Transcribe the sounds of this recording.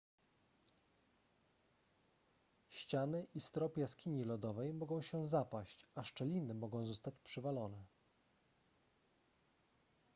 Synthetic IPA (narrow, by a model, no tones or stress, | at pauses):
ɕt͡ɕanɘʔist̪ɾɔpjaskʲiɲilɔd̪ɔvɛjmɔɡɔ̃w̃ɕɛzapaɕt͡ɕaʂt͡ʂɛlʲinɘmɔɡɔ̃w̃zɔst̪at͡ɕpʂɘvalɔnɛ